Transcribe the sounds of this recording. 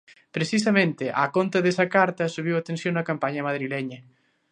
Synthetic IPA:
pɾesis̬ɐmẽnt̪ɪʔakont̪ɐðesɐkaɾt̪ɐsuβ̞iwɐt̪ẽnsjoŋnɐkampaɲɐmað̞ɾilɛɲɐ

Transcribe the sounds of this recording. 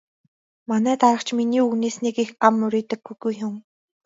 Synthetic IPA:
manæːt̪aɾə̆χt͡ɕʰminiːuɣneːsnikixamːɵɾʲiːt̪ə̆ɡɡujɡujɦʊ̆m

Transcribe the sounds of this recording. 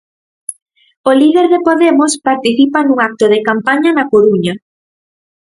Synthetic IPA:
oliðeɾðepoðemospaɾt̪iθipanũŋak̚t̪oðekampaɲanakoɾuɲɐ

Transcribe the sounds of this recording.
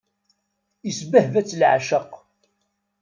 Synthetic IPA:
əsbəhvæt͡sːlʕa̰ʃəq

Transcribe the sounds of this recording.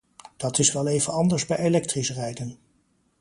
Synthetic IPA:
d̥ɑtɪsʋɛlˠejvənɑndəɹzbɛjelɛk̚trisrɛjdən

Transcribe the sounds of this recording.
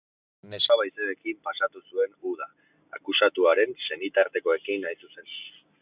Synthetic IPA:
ne̞saβajseekimpasat̪usue̞nuða̰ː | kusat̪uaɾe̞nse̞nit̪aɾt̪e̞ko̞e̞kinːajsuse̞n

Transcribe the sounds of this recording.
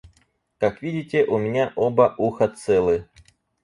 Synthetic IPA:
kakvʲidʲɪtʲɪʔʊmʲɪnʲaʔobɐʔuxɐt̪sɛlˠɨ

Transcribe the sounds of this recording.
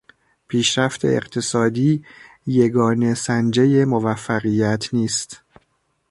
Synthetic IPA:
pʰiːʃɾæft̪ʰe̞̰ḛɢt̪ʰe̞sɒːd̪iː | jeɡɒːne̞sænd͡ʒeje̞movæfːæɣijæt̪ʰniːst̪

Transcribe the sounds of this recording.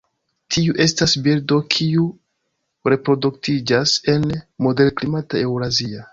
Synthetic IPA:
tʰiuʔe̞stasbiɾdo̞kʰiu | ɾe̞pɾo̞duktid͡ʒase̞nmo̞de̞lklimatae̞wɾazia

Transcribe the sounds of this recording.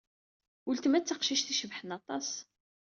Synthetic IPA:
ult̪mæt͡sːəqʃiʃθiʃəvħənɑt̪ˤɑs

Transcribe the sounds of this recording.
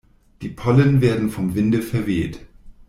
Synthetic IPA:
d̥iːpʰɔlənveːɐdn̩fɔmvɪndəfɛɐveːt

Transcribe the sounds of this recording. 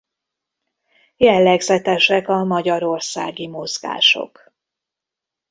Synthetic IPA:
jɛlːɛɡzɛt̪ɛʃɛkɒmɒɟɒɾo̞rsa̰ːɡimozɡa̰ːʃo̞̰k

